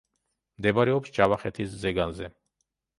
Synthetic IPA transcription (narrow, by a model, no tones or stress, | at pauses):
md̪ɛbaɾɛɔpst͡ʃʼavaχɛt̪ʰiszɛɡanzɛ